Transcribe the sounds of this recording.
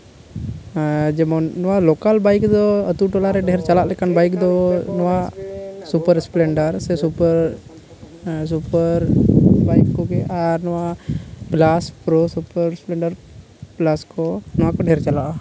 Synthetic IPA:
d͡ʒɛmɔnɔwalɔkalbajkd̪ɔət̪uʈɔlaɾɛɖɛɦɛɾt͡ʃalaʔlɛkanbajkd̪ɔnɔwasupəɾsplɛɳɖəɾsɛsupəɾ | supəɾbajkːɔɡɛʔaɾnɔwaplaspɾɔsupəɾsplɛɳɖaɾ | plaskɔnɔwakɔɖɛɛɾt͡ʃalaʔa

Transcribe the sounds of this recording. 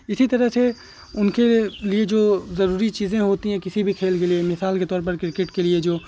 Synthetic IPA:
ɪsit̪ɐɾəɦse | ʊnkelied͡ʒoːzɐɾuːɾit͡ʃiːzẽɦoːt̪iɦɛ̃kɪsibʱikʰeːlɡeliemɪsaːlket̪ɔːɾpɐɾkɾɪkeʈkelied͡ʒoː

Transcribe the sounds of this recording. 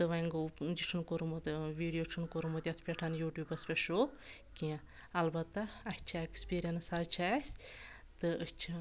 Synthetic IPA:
t̪ɨʋɐ̃ŋɡod͡ʒit͡ʃʰunkoɾmɐt̪ʋiːɖijoːt͡ʃʰunkoɾumɐt̪jɐt̪ʰpʲeʈʰɐnjuːʈjuːbɐspʲeʃoːkʲi | ɐlbɐt̪ːɐɐt͡ʃʰaekspiːɾijɐnsaːt͡ʃʰasʲ | t̪ɨət͡ʃʰi

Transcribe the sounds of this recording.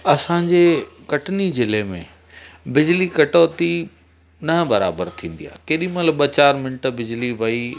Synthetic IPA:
ɐsãɲd͡ʑeː | kɐʈnizɪlemḛ̃ | bɪd͡ʑlikɐʈoːt̪i | nɐɦbɐɾa̰ːbəɾt̪ʰĩːn̆d̪ija̰ːkeːɗĩmɐləbɐt͡ɕaːɾmɪɳʈ̆bɪd͡ʑliʋɐi

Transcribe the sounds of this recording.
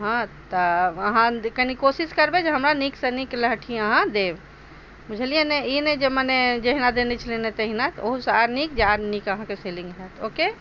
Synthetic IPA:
ɦãt̪əəɦãkənikosiskəɾbed͡ʒeɦəmɾaniksənikləɦʈʰiəɦãd̪eb | mud͡ʒʱelijeneined͡ʒeməned͡ʒəɦinad̪enet͡ʃʰəlenet̪əɦinat̪oɦusaɾnik̚d͡ʒaɾnikəɦãkeselĩŋɡɦɛt̪ʰoke

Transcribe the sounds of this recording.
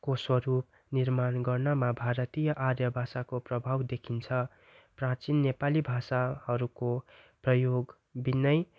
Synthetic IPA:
koswʌɾup̚ | nirmanɡʌrnʌmabʱaɾʌt̪ijʌʔaɾjʌbʱasakoprʌbʱawd̪ekʰint͡sʰʌ | prãt͡sinːepalibʱasahʌɾukoprʌjoɡ | binʌj

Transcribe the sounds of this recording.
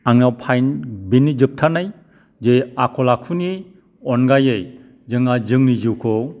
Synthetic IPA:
aŋnawpʰajnbenːid͡ʒɯp̚tʰanaj | d͡ʒejakʰɔlakʰuni | ɔnɡajej | zɯŋad͡ʒɯŋniziwkʰɔ

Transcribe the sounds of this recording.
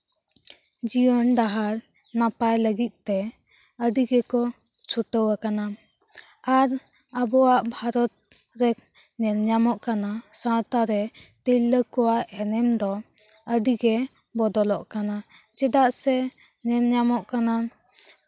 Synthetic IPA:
d͡ʒiɔnɖaɦaɾ | napajləɡit̪̚ˀt̪ɛ | əɖiɡɛkɔ | t͡ʃʰuʈəwakana | aɾ | abɔwaʔbʱaɾɔt̪̚ | ɾɛk̚ | nɛɾɲamɔʔkanasãt̪aɾɛt̪ilːəkɔwaʔɛnɛmd̪ɔ | əɖiɡɛ | bɔd̪ɔlɔʔkana | d͡ʒɛd̪aʔsɛ | nɛɾɲamɔʔkana

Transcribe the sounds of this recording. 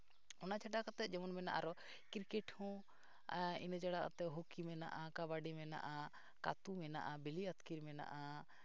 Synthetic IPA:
ɔnat͡ʃʰaʈakat̪ɛt̪̚d͡ʒɔmɔnmɛna̰ʔaɾɔ | kiɾkɛʈhɔ̃ | ḭnəd͡ʒaɽaka̰t̪ɛɦokimɛna̰ʔakabaɖimɛna̰ʔa | ka̰t̪umɛnaʔabiliat̪ʰkiɾmɛna̰ʔa

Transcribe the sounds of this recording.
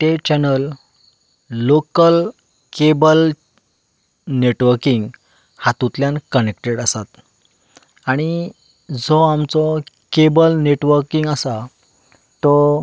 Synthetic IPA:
t̪et͡ɕɛnəl | okəl | kebəl | neʈʋəɾkiŋɡ | hat̪ũt̪ljãnkənek̚ʈeɽəsat̪ | aɽ̃i | d͡zɔamt͡sɔ | kebəlneʈʋəɾkiŋɡəsa | t̪ːɔ

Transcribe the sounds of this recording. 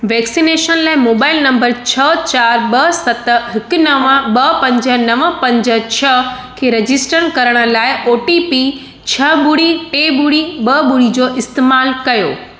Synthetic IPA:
ʋɛːksineːʃənlaːɪmoːbaːɪlnɐ̃mbəɾt͡ɕʰɐt͡ɕaːɾɓɐsɐt̪ɦɪkʊnɐʋãɓɐpɐ̃ɲd͡ʑə̆nɐʋəpɐ̃ɲd͡ʑə̆t͡ɕʰɐ | kʰeːɾɐd͡ʑɪsʈəɾnkɐɾəɽ̃ə̆laːɪoːʈipi | t͡ɕʰɐbuɽiʈeːbuɽibɐbʊɽid͡ʑoːʔɪst̪eːmaːlkɐjo̰ː

